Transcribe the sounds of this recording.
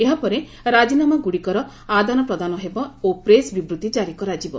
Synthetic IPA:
eɦapɔɾe | ɾad͡ʒinamaɡuɽikɔɾɔ | ad̪anɔpɾɔd̪anɔɦebɔopɾesbibɾut̪id͡ʒaɾikɔɾad͡ʒibɔ

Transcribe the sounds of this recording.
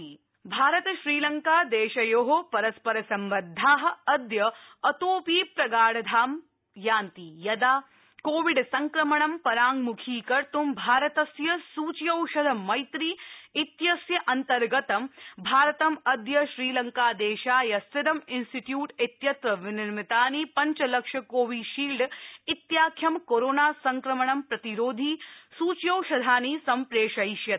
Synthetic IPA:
bʱaːɾɐt̪ɐʃɾiːlɐŋkaːd̪eːʃɐjoːɦopɐɾɐspɐɾɐsɐmʋɐd̪ʱːaːɦɐ̆ɐd̪jɐɐt̪oːpiːpɾɐɡaːɽɐd̪ʱaːm | jaːnt̪ijɐd̪aː | koːʋiɖsɐŋkɾɐmɐɳɐmpɐɾaːŋɡmukʰiːkɐɾt̪umbʱaːɾɐt̪ɐsjɐsuːt͡ʃjɐwʃɐd̪ʱɐmɐjt̪ɾiːit̪jɐsjɐʔɐnt̪ɐɾɡɐt̪ɐmbʱaːɾɐt̪ɐmɐd̪jɐʃɾiːlɐŋkaːd̪eːʃaːjɐsɪɾɐminsʈiʈjuːʈit̪jɐt̪ɾɐʋɪnɪɾmit̪aːnipɐɲt͡ʃɐlɐkʂɐkoːʋiːʃiːlɖit̪jaːkʰjɐmkoɾoːnaːsɐŋkɾɐmɐɳɐmpɾɐt̪iɾoːd̪ʱiːsuːt͡ʃjɐwʃɐd̪ʱaːniːsɐmpɾeːʃɐjʃjɐt̪̚

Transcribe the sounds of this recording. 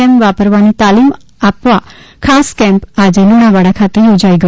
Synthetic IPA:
ɛ̃mpʋapəɾʋanit̪alim | apʋakʰaskɛ̃mpad͡ʒeluɽ̃aʋaɽakʰat̪ejod͡ʒaiɡə

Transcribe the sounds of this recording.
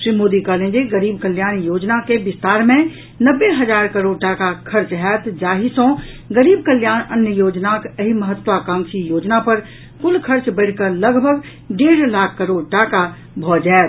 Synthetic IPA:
ʃɾimoːd̪ikəlẽd͡ʒiɡəɾiːb̚kəljaːnjoːd͡ʒnakebɪst̪aːɾmẽ | nəbːeɦəd͡ʒaːɾkəɾoːɖʈaːkakʰəɾt͡ʃɦɛːt̪d͡ʒaːɦisõ | ɡəɾiːb̚kəljaːnənjəjoːd͡ʒnakəɦiməɦət̪ːʋakaːmsijoːd͡ʒnapəɾ | kʊlkʰəɾt͡ʃbəɪɽkələɡbʱəɡ | ɖeːɽlaːkʰːəɾoːɽʈaːka | bʱɔːd͡ʒaːt̪

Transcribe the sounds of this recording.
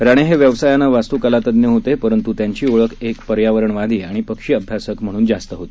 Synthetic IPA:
ɾaɽ̃eɦeʋjəʋsajanəʋast̪uːkəlat̪əd̪njəɦot̪epəɾənt̪ut̪jaɲt͡ɕiːoɭəkekpəɾjaʋəɾəɳʋad̪ʱiːaɽ̃ipəkʂiːəbʱjasəkm̤əɽ̃uːnd͡zast̪əɦot̪e̥

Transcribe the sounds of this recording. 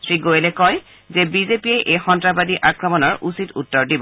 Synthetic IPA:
tʰɹiɡojelɛkɔj | zɛbizepiɛʔejxɔntɹabadiʔakɹɔmɔnɔɹusitṵtːɔɹdibɔ

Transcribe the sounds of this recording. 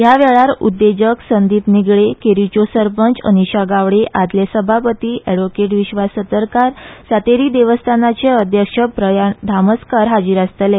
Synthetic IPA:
ɦjaʋɛɭaɾṵd̪ːed͡ʑəksənd̪iːp̪niɡɭekeɾit͡ɕosəɾpənt͡sə̰niɕaɡaʋɽeʔad̪lesəbʱapət̪iːʔɛɽʋokeʈʋiɕʋasət̪əɾkaɾsat̪eɾiːd̪eʋəst̪ʰanat͡seəd̪ʱjəkʂəpɾəjad̪ʱaməskaɾɦad͡ʑiːɾast̪əle

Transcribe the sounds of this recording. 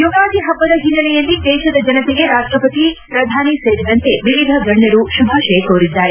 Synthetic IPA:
joɡaːd̪ʱiɦɐbːɐd̪ɐɦinːɐlɛjɐlːid̪ɛːʃɐd̪ɐd͡ʒɐnɐt̪ɛɡe̞ɾaːʃʈɾɐpɐt̪ipɾɐd̪ʱaːniseːɾid̪ɐnt̪e̞ʋiʋid̪ʱɐɡɐɳːɐɾuʃubʱaːʃɐjkoːɾid̪ːaːɾe

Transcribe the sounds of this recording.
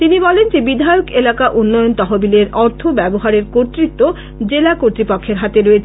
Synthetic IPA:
t̪inibɔlend͡ʑebid̪ʱajokelakaʔunːɔjont̪ɔɦobileɾɔɾt̪ʰobɛboɦaɾeɾkoɾt̪ɾit̪ːo | d͡ʑelakoɾt̪ɾipokʰːeɾɦat̪eɾojet͡ɕʰ

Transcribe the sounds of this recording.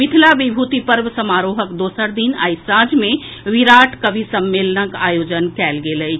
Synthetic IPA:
mɪt̪ʰilaʋibʱuːt̪ipəɾʋsəmaːɾoːɦəkd̪oːsəɾd̪ina̰ːisãːd͡ʒmẽʋiɾaːʈʰkəbʱisəmːeːlənəkaːjoːd͡ʒənkɛːlɡeːləi

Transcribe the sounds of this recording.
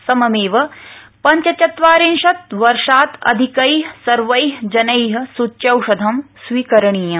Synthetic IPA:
sɐmɐmeːʋɐ | pɐɲt͡ʃɐt͡ʃɐt̪ʋaːɾeːnʃɐt̪ʋɐɾʂaːt̪ɐ̰d̪ʱikɐjɦsɐɾʋɐjɦd͡ʒɐnɐjɦɐ̆sutːt͡ʃɐwʂɐd̪ʱɐmsʋiːkɐɾɐɳiːjɐ

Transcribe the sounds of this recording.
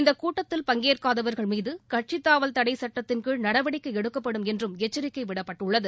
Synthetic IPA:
ɪnd̪ɐkuːʈːɐt̪ːɪlpɐŋɡeːrkaːðɐʋɐɾɣɐɭmiːðɯkɐʈ̚t͡ʃɪt̪ːaːʋɐlt̪ɐɽɐɪsɐʈːɐt̪ːɪnkɯɻnɐɽɐʋɐɽɪkːɯɛɽɯkːɐpːɐɽɯmɛndrɯmɛt͡ʃːɐɾɪkːɐɪʋɪɽɐpːɐʈːɯɭːɐðɯ

